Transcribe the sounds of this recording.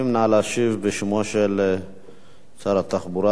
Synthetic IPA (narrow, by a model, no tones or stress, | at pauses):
imnaʕalaʃivbeʃmoʃel | t͡saɾat̪aχbuɾa